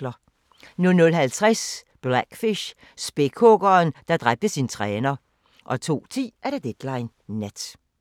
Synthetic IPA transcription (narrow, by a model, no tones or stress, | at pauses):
lɐ | nɔlnɔlɦælt͡sʰʁasb̥læɡ̥fiɕ | sb̥ekʰɔɡ̥ɐːnd̥ɑ̈d̥ʁab̥̚d̥əsint͡sʰʁɛːnɐ | ʔɒ̽t͡sʰo̝̰ːt͡sʰḭːæɐɾ̥ed̥ed̥lɑ̈ɪnː | æd̥